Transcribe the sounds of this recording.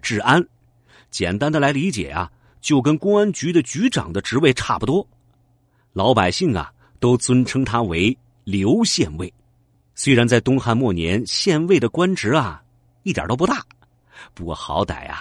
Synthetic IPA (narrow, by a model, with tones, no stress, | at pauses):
ʈ͡ʂɻ̩˥˩a˥n | t͡ɕjɛ˨˩nt̪a˥nd̪ə˨la˧˥ɪli˧˥t͡ɕjɛ̰˨˩ɐ̰˦ | t͡ɕjo˥˩ʊkə˥nkʊ˥ŋa˥nt͡ɕy˧˥d̪ə˨t͡ɕy˧˥ʈ͡ʂɑ̰˨˩ŋd̪ə˦ʈ͡ʂɻ̩˧˥we˥˧ɪʈ͡ʂʰa˥˩pu˩t̪wɔ˥ | lɑ˧˥ʊpa˨˩ɪɕi˥˩ŋɐ̰˩ | t̪o˥ʊt͡swə˥nʈ͡ʂʰɤ˥ŋt̪ʰa˥we˧˥ɪ | ljo˧˥ʊɕjɛ˥˧nwe˥˩ɪ | swe˥ɪɻa˧˥nt͡sa˥˧ɪt̪ʊ˥ŋxa˥˧nmwɔ˥˩njɛ̰˧˥nɕjɛ˥˧nwe˥˩ɪd̪ə˩kwa˥nʈ͡ʂɻ̩˧˥ɐ˧ | i˥˩j̰t̪o˥pu˧˥a˥˩ | pu˧˥kwɔ̰˥˩xɑ̰˧˥ʊt̪a̰˨˩ɪɐ̰˧